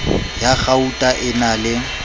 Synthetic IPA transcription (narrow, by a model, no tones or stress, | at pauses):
jaɣautʼaʔɪnalɪ